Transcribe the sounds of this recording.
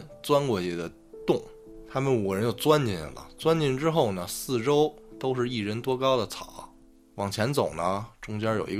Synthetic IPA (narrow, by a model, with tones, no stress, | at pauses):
t͡swa˥nkwɔ˧˩t͡ɕjɛ˧˥d̪ə˧ | t̪ʊ˥˩ŋ | t̪ʰa˥mə˨nu˨˩ɻə˧˥njo˥˩t͡swa˥nt͡ɕi˥˩nlə̰˩t͡swa˥nt͡ɕi˥˩nʈ͡ʂɻ̩˥xo˥˩ʊnə˩sɹ̩˥˩ʈ͡ʂo˥ʊt̪o˥ʊʂɻ̩˥˧i˥˩ɻə˧˥nt̪wɔ˥kɑ˥ʊd̪ə˨t͡sʰɑ˨˩˦ | wɑ˨˩ŋt͡ɕʰjɛ˧˥nt͡so˨˩ʊnə˦ʈ͡ʂʊ˥ŋt͡ɕjɑ˥jo˨˩ʊi˧˥